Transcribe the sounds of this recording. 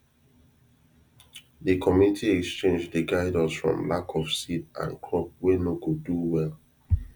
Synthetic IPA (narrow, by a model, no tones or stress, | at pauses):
dəkʰɔmjunitʰiɛkst͡ʃẽnd͡ʒdeɡaɪdɔsfɹɔ̰̃mlakʰɔfsidã̰nkʰɹɔp̚wenokoduwɛl